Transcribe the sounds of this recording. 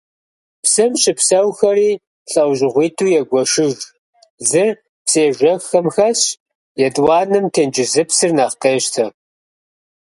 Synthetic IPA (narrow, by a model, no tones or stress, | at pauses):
psɨmɕʼɪpsɐwxɐriː | ɬʼɐwʑɪʁʷiːtʰuːjɛɡʷɔʃɪʒ | zɨr | pseːʒʷɐxɐmxɐɕ | jɛdwɑːnɨmtʰeːnd͡ʒɪzɨpsɨrnaːχqeːɕtʰɐ